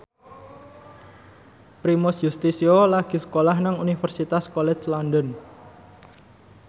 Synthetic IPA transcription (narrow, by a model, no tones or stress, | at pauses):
pɾimɔsjust̪isiolaɡ̥i̤sə̥kolahnaŋunifərsit̪askɔlɛt͡ʃlɔndɔn